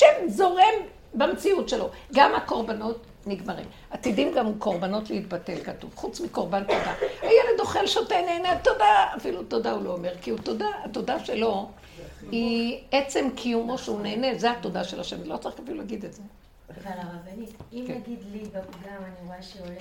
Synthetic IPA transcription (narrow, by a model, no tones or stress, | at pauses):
ʃemzo̞ʁem | bamt͡siutʃelo̞ɡamako̞ʁbano̞t | niɡmaʁḭm | at̪idimɡamko̞ʁbano̞tleit̪batelkatṵvχut͡smiko̞ʁbantodaajeled̪o̞χelʃoteneːneatodaafiluto̞daulo̞ːme̞ʁkiutodaato̞daʃe̞lo̞ | iet͡se̞mkʰijumoʃeuneːnezehatodaʃelaʃe̞milo̞t͡saʁikafilulaɡid̪etze | aabikɡid̪libaɡamaniʁoaʃeo